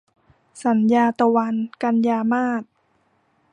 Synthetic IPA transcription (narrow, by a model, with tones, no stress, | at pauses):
sa˩˦njaː˧t̪a˧wa˧nka˧njaː˧maː˥˩t̪̚